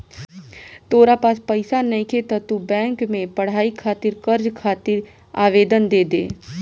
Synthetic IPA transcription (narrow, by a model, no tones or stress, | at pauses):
t̪oːɾapaːspəɪsanɐĩkʰet̪ɐt̪ubɛ̃ːŋkmẽpɐɽ̤aːikʰaːt̪ɪɾkɐɾd͡ʒkʰaːt̪ɪɾ | a̰ːʋeːd̪ənd̪eːd̪eː